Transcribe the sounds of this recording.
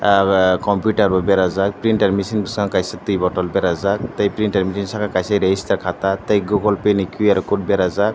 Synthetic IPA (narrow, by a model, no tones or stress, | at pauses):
kɔmpuʈaɾbɔbeɾazak̚pɾinʈeɾmisinbɯsaŋkajsat̪ɯjbɔʈɔlbeɾazak̚t̪əjpɾinʈeɾmisinsakʰakajseɾeist̪aɾkʰat̪at̪əjɡuɡɔlpenikʰuaɾɔkuʈ̚beɾazak̚